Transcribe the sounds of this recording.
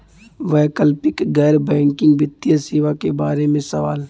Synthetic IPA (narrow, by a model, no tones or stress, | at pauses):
ʋɛːkəlpɪkɡɛːɾbɛ̃ːŋkɪ̃ŋɡbɪt̪ːjaseːʋakebaːɾemẽsɐʋaːl